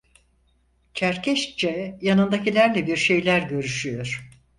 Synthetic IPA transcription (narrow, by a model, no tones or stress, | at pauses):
t͡ʃʰæɾcʰɛʃt͡ʃɛjanɯnd̪acilʲæɾlʲɛbiɾʃe̞jlʲæɾɟø̞ɾyʃyjo̞ɾ̥